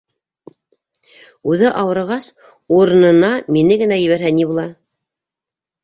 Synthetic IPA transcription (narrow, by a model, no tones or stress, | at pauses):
ʉðɘʔɑwɤ̆ɾʁɑs | uɾɤ̆nɤ̆nɑminɘɡɘ̆næjɘ̆βæɾhænibulˠɑ